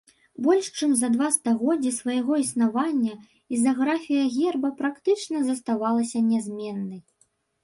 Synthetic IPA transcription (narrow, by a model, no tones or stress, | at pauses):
bɔlʲʂt͡ʂɨmzɐd̪vast̪aɣɔd͡zʲːisvɐjaɣɔisnavanʲːɐ | izɐɣɾafʲijɐɣʲɛrbɐpɾakt̪ɨt͡ʂnɐzɐst̪avalˠɐsʲɐnʲɛzʲmʲɛnːɐj